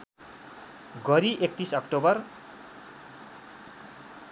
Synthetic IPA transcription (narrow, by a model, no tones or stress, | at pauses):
ɡʌɾiʔek̚t̪isʌkʈobʌr